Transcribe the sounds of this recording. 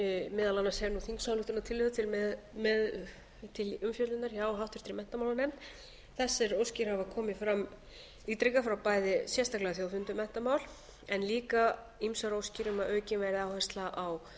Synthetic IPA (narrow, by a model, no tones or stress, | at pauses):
mɪðalanːashɛvnuθiŋksawlʏht̪ʏnat̪ʰɪlʏðʏt̪ʰɪlɛ | mɛð | t̪ʰɪlʏmfjœt̪ɪnaɾjaːwɔɦawht̪ʏ̥ɾ̥t̪ɾɪmɛn̥t̪amawlanɛmt̪ | θɛsːɪɾowscɪɾ̥havakʰɔːmɪfɾamː | it̪ɾɪkafɾawpaːjðɪsjɛst̪aklɛɣaθjowfʏnt̪ʏmɛn̥t̪amawl | ɛnliːka | imsaɾowscɪɾʏmaðœːcɪnvɛɾɪaːwhɛst̪laʔaw